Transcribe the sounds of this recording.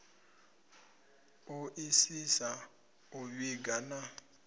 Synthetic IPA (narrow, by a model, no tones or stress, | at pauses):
uʔisisa | uβiɡana